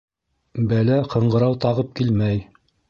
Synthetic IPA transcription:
bælæqʰɤ̆ɴɢɤ̆ɾɑwt̪ɑʁɤp̚kilmæj

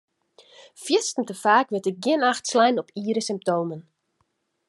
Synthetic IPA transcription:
fjɪstn̩təfaːkʋɪtəɡɪnaxtslɛjnɔpʰiːɾəsɪmp̚toːmən

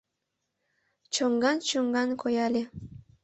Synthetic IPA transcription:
t͡ɕoŋɡɑnt͡ɕoŋɡɑnkʰojɑlʲe

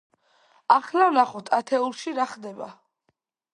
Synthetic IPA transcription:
aχlavnaχɔt̪ʰat̪ʰɛulˠʃiɾaχd̪ɛba̰

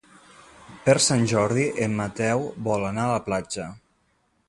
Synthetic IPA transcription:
pəɾsanʲʒɔɾðiʔemːat̪ɛwβɔlanaələplad͡ʒə

